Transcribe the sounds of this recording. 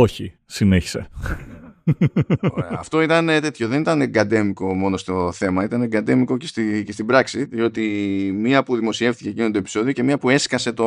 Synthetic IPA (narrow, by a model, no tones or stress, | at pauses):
o̞çi | sine̞çi̥se̞̰ | ɐ̰ft̪o̞it̪ɐnet̪e̞t̪çoðe̞nit̪ɐneɡɐd̪e̞miko̞mo̞no̞st̪o̞θe̞mɐit̪ɐneɡɐd̪e̞miko̞cest̪icest̪ibɾɐksit̪ðio̞t̪imiɐpuðimo̞sie̞ft̪icecinot̪oepi̥so̞ðioce̞miɐpue̞skɐse̞t̪o